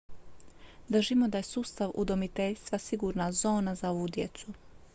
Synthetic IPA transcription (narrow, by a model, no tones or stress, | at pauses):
d̪r̩ʒimo̞d̪aje̞suːst̪aʋṵd̪o̞mit̪eʎʲst̪ʋasiɡuːɾnazo̞ːnazao̞ʋuːd̪jet̪su